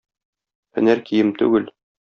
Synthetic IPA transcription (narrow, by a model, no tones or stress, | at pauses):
hɘ̰̆næɾkijɘmt̪ʉ̰ɡɘl